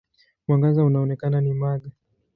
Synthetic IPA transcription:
mwaŋɡazaunaɔnɛkananimaɠa

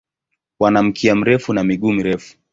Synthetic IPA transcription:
wanam̩kʰiam̩ɾɛfunamiɠuːmiɾɛfu̥

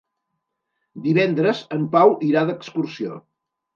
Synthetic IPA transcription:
d̪iβɛnd̪ɾəzəmpawʔiɾaðəkskursio̰

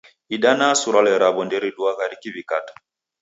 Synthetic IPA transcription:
iɗanasuɾalɛɾabɔndɛɾiɗuaɣaɾikiβikatḁ

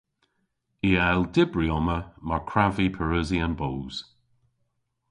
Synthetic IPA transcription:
iɛldɪbɹiɔməmaɹkʰɹavipʰəɹəziənbowz̥

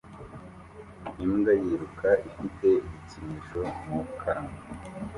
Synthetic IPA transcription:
imɡajiɾukʰaifitʰe̞iβit͡simiʃomukʰaŋa

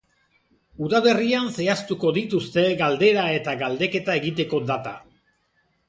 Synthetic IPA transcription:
uðaβe̞rianse̞ast̪uko̞ðit̪ust̪e̞ɣald̪e̞ɾae̞t̪aɣald̪e̞ke̞t̪ae̞ɣit̪e̞ko̞d̪at̪a̰

